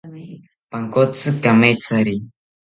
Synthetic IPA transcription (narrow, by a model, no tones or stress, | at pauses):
paŋkɔt͡sɨkamɛt͡saɾi